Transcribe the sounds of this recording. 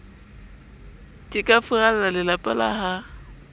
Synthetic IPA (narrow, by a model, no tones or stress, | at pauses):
kʼɪkʼafʊɣalalalɪlapʼala̰ha